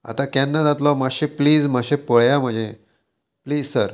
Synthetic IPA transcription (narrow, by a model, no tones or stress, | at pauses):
a̰t̪akɛ̃nːad͡zat̪lɔmaɕepliːd͡zm̤aɕẽpəɭjam̤əɳd͡ʑe | pliːd͡zsəɾ